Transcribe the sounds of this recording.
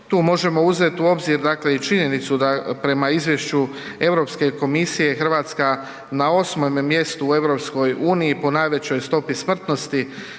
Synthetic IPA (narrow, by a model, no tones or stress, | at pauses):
t̪uːmo̞ʒe̞mo̞uze̞t̪uo̞bziɾd̪akle̞it͡ʃiɲe̞nit̪sud̪apɾe̞maizʋje̞ʃt͡ɕu | e̞ʋɾo̞pske̞ko̞misije̞xr̩ʋaːt̪ska | nao̞smomːje̞st̪uːe̞ʋɾo̞psko̞juːnijipo̞najʋe̞t͡ɕo̞jst̪o̞pismr̩t̪no̞st̪i